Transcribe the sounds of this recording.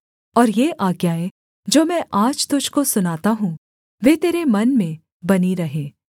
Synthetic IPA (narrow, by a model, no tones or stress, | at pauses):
ɔːɾjeʔaːɡjaːe | d͡ʒoːmɛ̃ʔaːd͡ʒt̪ʊd͡ʒʱkosʊnaːt̪aɦũ | ʋeːt̪eːɾemɐnmẽ | bɐniɾɐɦẽː